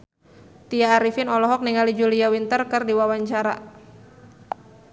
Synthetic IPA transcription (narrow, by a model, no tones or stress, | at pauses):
t̪iaːɾifɪnɔlɔɦɔk̚niŋalid͡ʒuliawint̪ərkɨrdiwawaɲt͡ʃaɾa̰